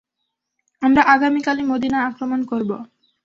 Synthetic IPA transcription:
amɾaʔaɡamikalimod̪inaakɾomonkoɾbo

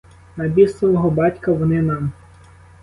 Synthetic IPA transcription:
nɐbʲisɐlˠɔɦɔbɑtʲkɐwɔnɪnɑm

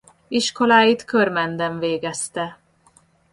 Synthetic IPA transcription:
iʃko̞laːjit̪kørmɛnd̪ɛɱveːɡɛst̪ɛ

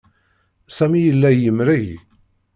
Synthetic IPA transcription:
sæmijəlːæjəmɾiʝ

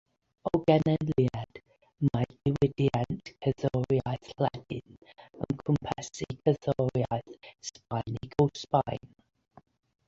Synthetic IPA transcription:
ɔɡɛnɛnliɛd̥ | madɪwɪdiantʰkʰəðɔɾjaɨθlɛdɪnə̰ŋkʰʊmpʰɛsikʰəðɔɾjajθspajniɡowspajn

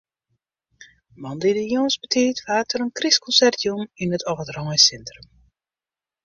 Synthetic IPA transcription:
mɑndidəjonsbətʰiːtʋaːtʰəɾənkriskɔnsɛrtʰjuminətʰɔvədrɔŋjsɛntrəm

